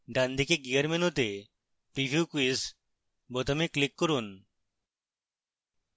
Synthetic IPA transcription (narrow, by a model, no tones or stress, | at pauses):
ɖand̪ʱikeɡiəɾmenut̪e | pɾibʱjukuis | bɔt̪ɔmeklikːɔɾun